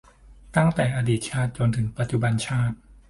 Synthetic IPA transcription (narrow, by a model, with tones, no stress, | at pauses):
t̪a˥˩ŋt̪ɛː˨˩ʔaː˧diː˨˩t̪̚t͡ɕʰaː˥˩t̪̚t͡ɕo˧nt̪ʰɯ˩˦ŋpa˧t̪̚t͡ɕu˨˩ba˧nt͡ɕʰaː˥˩t̪̚